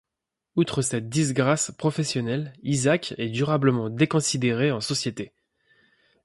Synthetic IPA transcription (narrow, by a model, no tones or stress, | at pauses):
ut̪χəsɛt̪̚d̪izɡʁaspχɔfɛsjɔnɛlizakʲɛd̪yʁabləmɑ̃d̪ekɔ̃sid̪eʁeɑ̃sɔsjet̪e